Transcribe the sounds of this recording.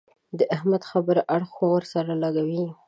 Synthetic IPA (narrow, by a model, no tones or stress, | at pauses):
d̪əʔahmad̪xabəɾʔaɽxowəɾsaɾalaɡawi